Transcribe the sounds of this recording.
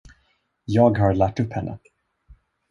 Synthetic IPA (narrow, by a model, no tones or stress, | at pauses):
jɑːɡɦaɾɭæʈːɵpːhɛnːʔə̰